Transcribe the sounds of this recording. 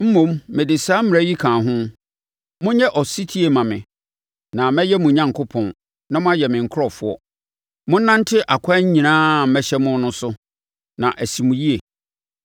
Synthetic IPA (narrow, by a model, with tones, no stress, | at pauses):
m̩˦mõ˦mmɪ̃˨dɪ˨saː˦m̩˦mɪ̃˨ɛ˦ji˦kʰãː˨ɦʊ̃˦ | mʊ̃˦ɲɛ˦ʔɔ˨si˦tʰi˦e˨mã˨mɪ̰̃˨ | nã˨mɛ̃˦jɛ˦mũ˨ɲã˦˨ŋkʰʊ˦pʰɔ̃˨n | nã˦mʊ̃˦a˦jɛ˨mɪ̃˨ŋ̩˨kʰʊ˦ɾɔ˨fʊ˦ɔ̰˦ | mʊ̃˦nã˦n˦tʰɪ˦ʔa˨kʰa˦ɲ̩˦ɲĩ˨nãː˦˨mɛ˦ɕɛ˦mʊ̃˦n˦nʊ̃˦sʊ˦ | nã̰˨ʔæ˨si˨mũ˨ji˦e˨